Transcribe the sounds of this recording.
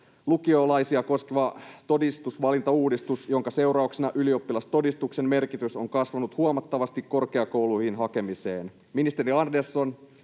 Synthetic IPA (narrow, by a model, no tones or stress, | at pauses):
lukiolɑjsiɑko̞skeʋɑt̪o̞dist̪usʋɑlint̪ɑuːdist̪usjo̞ŋkɑse̞wrɑuksenɑʔylio̞pːilɑst̪o̞dist̪ukse̞mme̞rkit̪yso̞ŋkɑsʋɑnut̪huomɑt̪ːɑʋɑst̪ikkːo̞rkeɑko̞wlujhinɦɑke̞misḛːn | minist̪e̞ɾiɑndersːo̞n